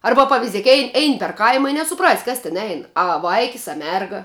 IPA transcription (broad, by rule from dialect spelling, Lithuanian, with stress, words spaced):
ˈɐrbɐ pɐʋʲɪˈzʲiɛk ɛɪ ˈɛɪn pʲɛr ˈkɐɪmɐ ɪ nʲɛsʊˈprɑːsʲɪ ˈkɐs tʲɪn ˈɛɪn ɐ ˈʋɐɪkʲɪs ɐ ˈmʲɛrɡɐ